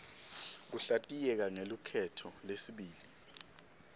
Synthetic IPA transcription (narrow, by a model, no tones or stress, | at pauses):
k̬uɬatʼijɛk̬aŋelukʰɛtʰɔlesiɓiːli